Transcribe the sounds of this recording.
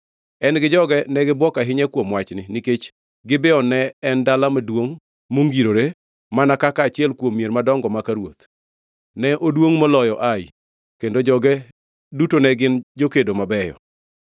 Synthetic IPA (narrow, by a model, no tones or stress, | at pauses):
ɛnɡɪd͡ʒɔɡɛnɛɡɪbwɔkaɦɪɲɛkwomwat͡ʃnɪnɪket͡ʃ | ɡɪbɪɔnɛːndalamadwoŋ | moŋɡiɾoɾe | manakakaːt͡ʃɪɛlkwomːjeɾmadɔŋɡɔmakaɾwot̪ | nɛʔodwoŋmɔlɔjɔʔaj | kendod͡ʒɔɡɛ | dutonɛɡɪnd͡ʒokedomabɛjɔ̰